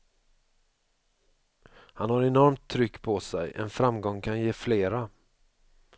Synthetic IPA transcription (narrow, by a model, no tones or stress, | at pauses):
hanhaɾɛnɔɾmt̪ʰːɾʏkːpʰɔsɛjɛ̰nfɾamɡɔŋːkʰanjeːfleːɾa